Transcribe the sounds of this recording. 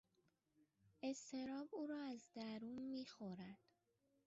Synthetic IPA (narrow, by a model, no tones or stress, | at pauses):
e̞st̪ʰe̞ɾɒːbuːɾɒːæzd̪æɾuːnmiːxoɾænd̪̥